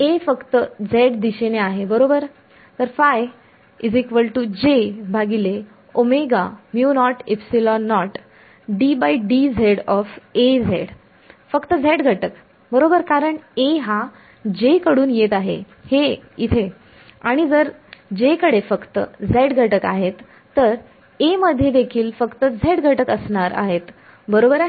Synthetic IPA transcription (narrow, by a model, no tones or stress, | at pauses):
efəkt̪əd͡zeɽd̪iɕeneaɦebəɾobəɾ | t̪əɾfaj | id͡zekʋəlʈud͡ʑebʱaɡile | omeɡamjunɔʈepsilɔnːɔʈ | ɖibaiɖid͡zʱeɽɔfed͡zʱeɽ | fəkt̪əd͡zʱeʈɡʱəʈək | bəɾobəɾkaɾəɳeɦa | d͡ʑekəɽuːnjet̪aɦḛ | heit̪ʰe | aɽ̃id͡zəɾ | d͡ʑekəɽefəkt̪ə̰d͡zʱeɽɡʱəʈəkaɦet̪ː | əɾ | eməd̪ʱːjed̪ekʰiːlfəkt̪əd͡zʱeɽɡʱəʈəkəsɳaɾa̰ɦet̪ | bəɾobəɾ